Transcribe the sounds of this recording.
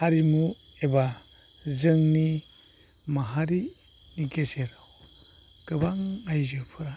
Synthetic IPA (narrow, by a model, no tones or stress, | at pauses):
haɾimu | eba | zɯŋni | maɦaɾi | niɡeseɾaw | ɡ̥ɯbaŋajzɯpʰɯɾ